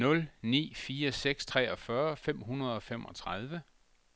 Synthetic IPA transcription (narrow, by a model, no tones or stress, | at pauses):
nɔ̽lnḭːfiːɐseɡ̥st͡sʰʁɛ̰ːɒ̽fɶɐfem̰ɦunɐð̞ˠɒ̽femʔɒ̽t͡sʰʁɑð̞ˠʋə